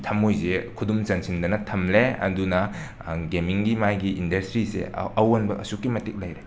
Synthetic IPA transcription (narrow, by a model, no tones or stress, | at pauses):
tʰɐmojzekʰudumzɐnsindɐnɐtʰɐmleɐ̰dunɐ | ɡemiŋɡimajɡiʔindɐstɾisḛɐwanbɐkɐsukːimɐtik̚lɐjɾe